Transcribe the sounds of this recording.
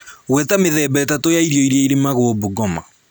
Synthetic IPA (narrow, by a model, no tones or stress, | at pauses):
ɣwɛtameðɛbɛtatojaiɾiɔiɾiɛiɾemaɣwoboɡɔma̰